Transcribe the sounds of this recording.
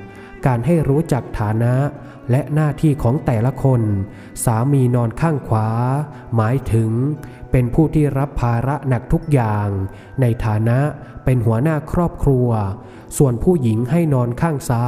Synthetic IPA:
kaː˧nɦa˥˩jɾuː˦˥t͡ɕa˨˩k̚t̪ʰaː˩˦na˦˥ʔ | lɛ˦˥ʔnaː˥˩t̪ʰiː˥˩kʰɔː˩˦ŋt̪ɛː˨˩la˧˦kʰo˧n | saː˩˦miː˧nɔː˧nkʰaː˥˩ŋkʰwaː˩˦ | maː˩˦jt̪ʰɯ˩˦ŋpe˧npʰuː˥˩t̪ʰiː˥˩ɾa˦˥pʰːaː˧ɾa˦˥ʔna˨˩k̚t̪ʰu˦˥k̚jaː˨˩ŋ | na˧jt̪ʰaː˩˦na˦˥ʔ | pe˧nɦu˩˦ɐnaː˥˩kʰɾɔː˥˩p̚kʰɾu˧ɐ | su˨˩ənpʰuː˥˩ji˩˦ŋha˥˩jnɔː˧nkʰaː˥˩ŋsaː˦˥

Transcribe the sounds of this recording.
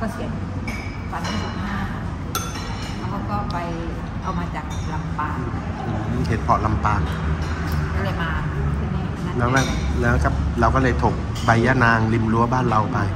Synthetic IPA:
kɔ˧˩kʰi˨˩ən˧˩ | paː˧˩a˧˥˩mu˨˧˩aː˥˩˧ | a˧˩wkɔː˥˩pa˧j | k̪ʰa˧˩wmaː˧t͡ɕaː˨˩k̚la˧mpaː˧˩ʔɯː˨˧˩he˨˦t̪̚pʰɔ˨˩la˧mpaː˧ŋ˧ | kɔː˥˩lɤː˧˩jmaː˧kʰɯ˧˥˩na˧˥˩lɛː˦˥wmaː˧˥˩lɛː˦˥˨kʰa˦˥˩p̚ɾa˧wkɔː˥˩lɤː˧˩jt̪ʰo˨˩k̚ | ba˧jːaː˦˧˥naː˧ŋli˧mlu˧˦baː˥˩˨nɾa˧wpa˧j

